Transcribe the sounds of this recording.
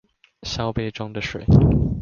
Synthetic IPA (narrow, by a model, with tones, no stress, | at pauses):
ɕja˥ʊpe˥ɪʈ͡ʂʊ˥ŋd̪ə˨ʂḛ˨˩˦